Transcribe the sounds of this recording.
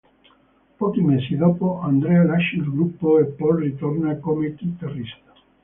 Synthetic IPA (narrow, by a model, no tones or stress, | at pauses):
pɔːkimeːsid̪oːpoand̪ɾealaʃːilɡɾupːoepːɔlrit̪ornakomekit̪arːist̪ḁ